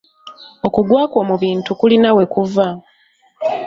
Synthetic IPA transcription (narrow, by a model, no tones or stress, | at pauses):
o̞kuɡwaːkoːmuβiːntukulinawe̞kuva